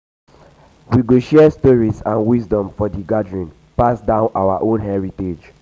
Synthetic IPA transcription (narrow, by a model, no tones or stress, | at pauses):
wiɡoʃiestɔɹisãnwisdɔ̃mfɔdiɡadɹĩn | pasdãʊ̃nʔawaʔõnhɛɹited͡ʒ